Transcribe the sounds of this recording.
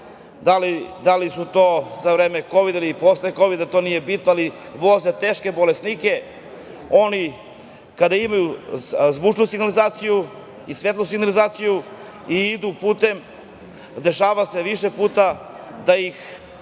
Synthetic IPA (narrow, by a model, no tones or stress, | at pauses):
d̪alid̪alisut̪o̞ːzaʋɾe̞ːme̞ko̞ʋid̪ailiposleko̞ʋid̪at̪o̞nije̞bit̪noali | ʋo̞ze̞t̪e̞ːʃkebo̞lesnike̞ | o̞ni | kad̪aimajuzʋut͡ʃnusiɡnalizaːt̪siju | isʋe̞t̪lˠus̬iɡnalizaːt̪siju | iid̪upuːt̪e̞m | d̪e̞ʃaːʋase̞ʋiʃe̞puːt̪a | d̪ajix